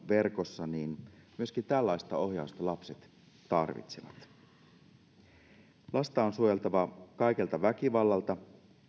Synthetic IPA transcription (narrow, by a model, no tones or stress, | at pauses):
ʋe̞rko̞sːɑniːnmyøskint̪ælːɑjst̪ɑo̞hjɑust̪ɑlɑpset̪ | t̪ɑrʋḭt̪seʋɑ̰t̪ | lʔɑst̪ɑonsuojelt̪ɑʋɑkɑjke̞lt̪ɑʋækiʋɑlːɑlt̪ɑ